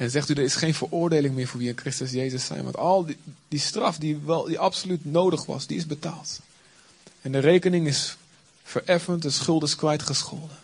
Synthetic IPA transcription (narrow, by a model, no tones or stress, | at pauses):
ɛnnzɛχtydəɹɪsχejnvərʊːɹdejlɪŋmɪːɹvʊːɹʋiɪnkrɪstəs̬jejzəsɛ̰jnʋɑ̰ntɑlˠdistrɑfdiʋɛlˠdiʔɑpsolytnoːdəχʋɑ̰sdiɪzbətaːlˠt | ɛndərejkənɪŋɪs | fərɛfəntdəsχʏlˠtɪskʋɛjtχəsχoːlə